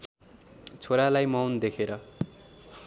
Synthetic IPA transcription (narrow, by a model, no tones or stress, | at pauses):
t͡sʰoɾalajmawnd̪ekʰeɾʌ